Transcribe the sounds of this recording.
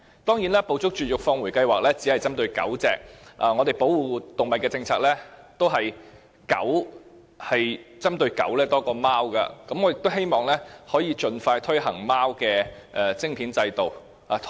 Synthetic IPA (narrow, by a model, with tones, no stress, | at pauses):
t̪ɔː˥ŋjiː˨˥nlɛː˥po˧wt͡sʊ˥k̚t͡ʃyː˨t̚jʊ˨k̚fɔː˧ŋwu˨˩jkɐ˧jwaː˨k̚lɛː˥t͡siː˨˥hɐ˨˩jt͡sɐ˥mt̪ɵ˧ɥkɐ̰˨˥wt͡sɛ̰ː˨˩k̚ʔɐ˨ŋɔː˨˧t̪e˨jpo˨˥wwuː˨˩t̪ʊ˨ŋmɐ˨t̚kɛː˧t͡sɪ˧ŋt͡sʰaː˧k̚lɛː˥t̪o˥wɦɐ˨j | kɐ̰˨˥w | hɐ˨jt͡sɐ˥mt̪ɵ˧ɥkɐ̰˨˥wlɛː˥t̪ɔː˥kɔː˧maː˥wkɐ̰˧kɐ˨˥mɔː˨˧jɪ˨k̚t̪wɦe˥jmɔː˨ŋlɛː˥hɔː˨˥jiː˨˧t͡ʃɵ˧nfaː˧jt̪ʰɵ˥ɥɦɐ˨˩ŋmaː˥wkɛː˧ʔɛː˨t͡sɪ˥ŋpʰiː˨˥nt͡sɐ˧jt̪o˨˩w | ʔa˨˧